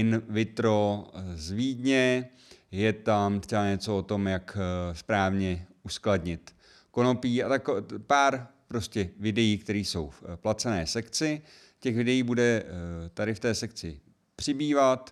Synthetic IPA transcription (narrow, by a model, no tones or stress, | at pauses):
ɪnvɪt̪ɾo̞zviːd̪ɲɛ | jɛt̪amt̪rɛbaɲɛt͡so̞ot̪o̞mjakspɾaːvɲɛuskladɲɪt̪ | ko̞no̞piːat̪akpaːɾpɾo̞scɛvɪdɛjiːkt̪ɛɾiːso̞wfplat͡sɛnɛːsɛkt͡sɪ | cɛxvɪdɛjiːbudɛt̪adɪft̪ɛːsɛk̚t͡sɪ | pr̝̥ɪbiːvat̪